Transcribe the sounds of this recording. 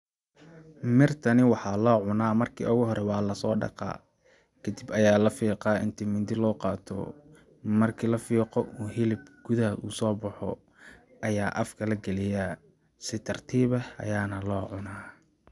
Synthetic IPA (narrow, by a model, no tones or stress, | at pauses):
mɪrt̪ʰɐnɪwɑħɑːlɔːʕʊnaːmɐrkʰḭːʊɣʊɦɔɾɛwɑːlɐsɔːɖɑ̰qɑ̰ː | kʰɐd̪ibɐjaːlɐfiːqɑːʔɪ̰nt̪ʰimɪd̪ɪlɔːqɑːt̪ʰɔ̰ | mɐrkʰilɐfiːqɔʔuːɦɪlɪbɡ̥ʊðɐɦɐʔṵːsɔːbɑħɔ̰ | ʔɐjaːʔɐfkʰɐlɐɡɐlɪjaː | sɪt̪ʰɐrt̪ʰiːβɐɐ̰jaːnɐlɔːʕʊnaː